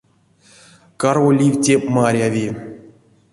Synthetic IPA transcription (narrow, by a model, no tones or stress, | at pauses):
karvolʲivʲtʲepmaɾʲavʲi